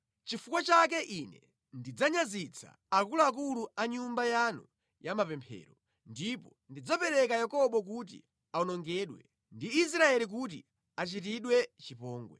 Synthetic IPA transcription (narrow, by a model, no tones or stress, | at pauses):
t͡ʃifukwat͡ʃak̬ɛʔinɛ | ndid͡zaɲazit͡sʰa̰ːkulaak̬uluaɲumbajanu | jamapɛmpʰɛ̰ːɾɔ | ndipɔndid͡zapɛɾɛkajakɔɓɔk̬ut̬ḭ | aɔnɔŋɡɛːɗwɛ | ndiːs̬ɾaɛlik̬ut̬ḭ | at͡ʃit̬iɗwɛt͡ʃipɔːŋɡwɛ̰